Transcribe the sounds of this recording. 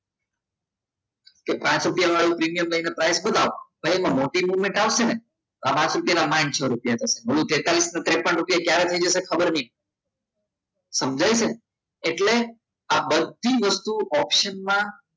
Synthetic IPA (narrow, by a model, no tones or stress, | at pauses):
kepãt͡ʃɾupjaʋaɭũpɾimijəmləinepɾajsbəd̪ʱaʋbʱəjmãmoʈimuʋmẽɳʈaʋʃene | t̪oapãt͡ʃɾupijanamãnt͡ʃʰəɾupijat̪ʰəseməlũt̪et̪alisnat̪ɾepə̃ɳʈɾupijakjaɾet̪ʰəid͡ʒəsekʰəbəɾni | səmd͡ʒajt͡ʃʰeː | ʈle | abəd̪ʱiʋəst̪uʔɔpʃənmã